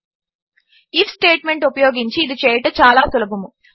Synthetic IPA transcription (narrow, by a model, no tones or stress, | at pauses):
ifʰsʈeːʈme̞ɳʈupɐjoːɡiɲt͡ʃiːd̪it͡ʃeːjɐʈɐt͡ʃaːlaːsulɐbɐmu